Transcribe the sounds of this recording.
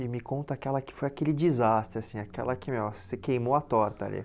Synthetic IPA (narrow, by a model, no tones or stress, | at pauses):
ɪmɪkõnt̪ɐakɛlɐkɪ̥fojakelɪd͡ʒizast̪ɾɪasĩakɛ̰lɐkɪmewsekejmoɐt̪ɔɾt̪ɐa̰lḭ